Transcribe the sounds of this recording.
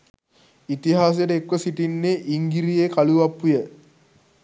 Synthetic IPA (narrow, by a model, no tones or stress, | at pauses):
it̪iɦaːs̬ejʈəekʋəsiʈinːeʔiŋɡiɾijekaluʋapːujə